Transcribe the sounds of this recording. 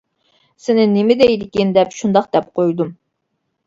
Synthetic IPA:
sɪnɪnɪmɪd̪ɛjd̪ɪkʲind̪ɛpʃund̪ɑqd̪̥ɛp̚qʰojd̪um

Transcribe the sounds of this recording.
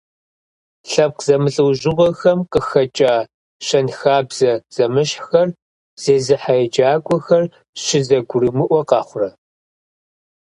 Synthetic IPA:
ɬɐp̚qzɐmɨɬʼɨwʒɪʁʷɔxɐmqəxɐt͡ʃʼaː | ɕɐnxaːbz̥ɐz̥ɐmɨɕħxɐr | z̥eːzɨħajɛd͡ʒʼaːkʷʼɔxɐr | ɕɪzɐɡʷʊrɨmɨʔʷɔqɑːχʷʊrɐ

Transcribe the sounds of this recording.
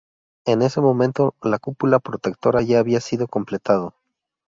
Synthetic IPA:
e̞ne̞se̞mõ̞mẽ̞nt̪olakupulapɾot̪e̞k̚t̪o̞ɾaʝaːβiasið̞o̞ko̞mple̞t̪að̞o

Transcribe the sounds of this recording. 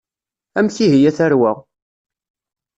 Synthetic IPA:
æmθiɦijæθæɾwəʁ

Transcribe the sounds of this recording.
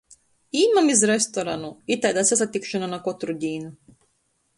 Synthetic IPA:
iːmamizɾɛst̪ɔɾanuit̪ajd̪asʲas̬at̪ːikʃananakɔt̪ɾuɟ̪ʲiːnu

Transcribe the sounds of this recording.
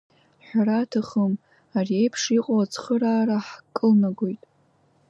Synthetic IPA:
ħᶣʷaɾatʰaχəm | ariejpʰʂiqʼoat͡sʰʼχəɾaːɾaħkʼːɨlnaɡʷojtʼ

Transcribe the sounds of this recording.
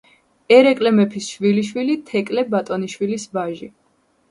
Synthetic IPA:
ɛɾɛkʼlɛmɛpʰisʃwiliʃwilit̪ʰɛkʼlɛbat̪ʼɔniʃwilisbaʒi

